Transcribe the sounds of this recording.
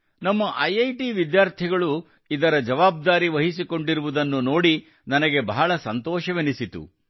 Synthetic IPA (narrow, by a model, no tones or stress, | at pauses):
nɐmːɐʔɐjɐjʈiʋid̪jaːɾt̪ʰiɡɐɭu | id̪ɐɾɐd͡ʒɐʋaːb̚d̪aːɾiʋɐɦisiko̞ɳɖiɾuʋud̪ɐnːuno̞ːɽi | nɐnɐɡe̞bɐɦɐɭɐsɐnt̪ɔːʃɐʋenisit̪ṵ